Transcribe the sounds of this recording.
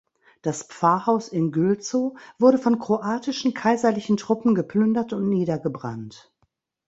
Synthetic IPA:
d̥aspp͡faːɐhaʊsɪnɡʏlt͡soːv̥ʊɐɾəfɔnkʁ̥oʔaːtɪʃn̩kʰaɪzɐlɪçn̩tʁ̥ʊpm̩ɡəplʏndɐtʊntniːdɐɡəbʁa̰nt

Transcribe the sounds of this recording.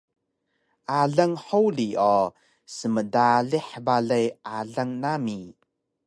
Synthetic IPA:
ʔaɮəŋħowliɔ | səmədaɮiħbaɮejʔaɮaŋnami

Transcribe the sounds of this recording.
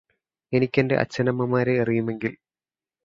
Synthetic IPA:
e̞nikʲːende̞̰ʔɐ̰t͡ɕːɐnɐmːɐmaːɾeɐrijume̞ŋɡil

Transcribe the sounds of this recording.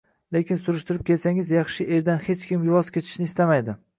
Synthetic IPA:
lekʲɪnsʊɾɪʃt̪ɪɾɪp̚kʲʰe̞lsaŋʲɪzjɑχʃɪʔe̞ɾd̪anhet͡ʃkʲɪmjʊvɒskʲʰe̞t͡ʃ̪ʰɪ̥ʃnɪːst̪amajd̪ɪ

